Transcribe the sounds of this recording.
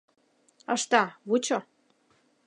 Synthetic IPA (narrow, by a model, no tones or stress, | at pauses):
əʃt̪ɑβut͡ɕo